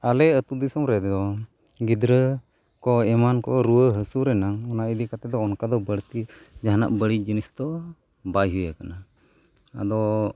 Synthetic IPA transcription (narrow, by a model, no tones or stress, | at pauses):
alɛət̪ud̪isɔmɾɛd̪d̪ɔ | ɡid̪ɾə | kɔɛmankɔɾuəɦəsuɾɛnaŋɔnaid̪ikat̪ɛd̪ɔːnkad̪ɔbəɽt̪id͡ʒaɦana̰ʔbəɽid͡ʒinist̪ɔ | bajɦujakana | a̰d̪ɔ